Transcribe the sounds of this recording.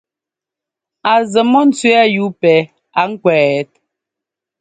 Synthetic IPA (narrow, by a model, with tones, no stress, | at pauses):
a˨zə˨mɔ˦n̩˨t͡sɥwɛ˦a˦ju˨˦pɛ˨˦ | a˨ŋ̩˦kwɛː˨˦t̚